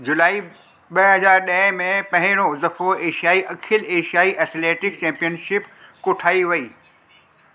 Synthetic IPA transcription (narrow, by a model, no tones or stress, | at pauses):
d͡ʑʊlaːi | ɓɐɦɐzaːɾɗɐ̃mẽpɐ̃ɦɪ̃ɽ̃ozɐfʰoeːʃijaːiʔɐkʰɪleːʃijaːiʔɛːsleːʈɪk̚t͡ɕɛ̃ːmpijənʃɪpkʊʈʰaːiʋɐiː